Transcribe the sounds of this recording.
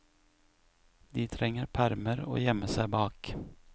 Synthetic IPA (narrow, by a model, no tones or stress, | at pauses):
d̪iːt̪ʰɾɛŋəɾpʰæɾməɾo̰ːjɛməsæɪbɑːk